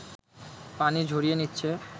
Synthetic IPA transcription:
panid͡ʑʱoɾijenitːɕʰe

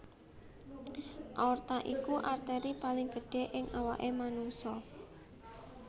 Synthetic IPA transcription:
ʔɔrt̪aʔikuʔart̪ɛɾipalɪŋɡəɖ̥e̤ʔɪŋʔawaʔemanuŋsɔ

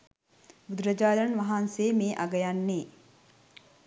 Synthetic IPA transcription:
bud̪ɾɐd͡ʒaːɾɐnʋaɦanseːmeːʔaɡəjanːeː

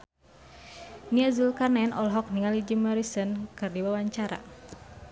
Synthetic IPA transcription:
niazulkarnɛnɔlɦɔk̚niŋalid͡ʒimɔɾisənkɨrdiwawaɲt͡ʃaɾa̰

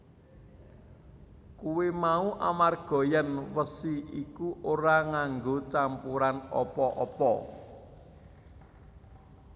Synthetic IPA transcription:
kuwemauʔa̰marɡ̥ɔ̤janwəsiikuʔoɾaŋaŋɡot͡ʃampuɾanɔpɔʔɔpɔ

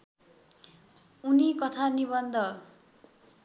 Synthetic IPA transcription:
unikʌt̪ʰaniβʌnd̪ʱʌ

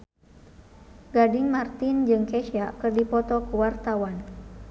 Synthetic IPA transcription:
ɡadɪŋmart̪ind͡ʒɨŋkɛʃiakɨrdipɔt̪ɔkəwart̪awan

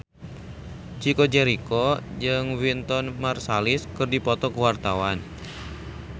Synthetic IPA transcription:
t͡ʃikɔd͡ʒɛɾikɔjəŋwint̪ɔnmarsalɪskərdipɔt̪ɔkəwart̪awan

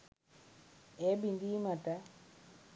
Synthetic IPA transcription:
ɛbindimata

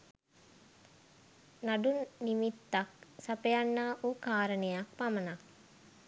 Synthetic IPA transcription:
naɖunːimit̪ːak̚sapejanːaːʔukaːɾənejak̚pamənak̚

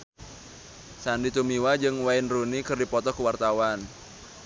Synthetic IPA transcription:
sandit̪umiwad͡ʒɨŋwaɪnrunikɨrdipɔt̪ɔkuwart̪awan

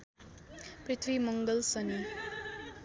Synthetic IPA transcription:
prit̪ʰwimʌŋɡʌlsʌni

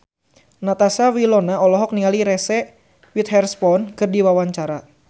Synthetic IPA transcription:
nat̪asawilɔnaɔlɔɦɔk̚niŋaliɾɛsɛ | wit̪̚hɛrspɔnkɨrdiwawaɲt͡ʃaɾa

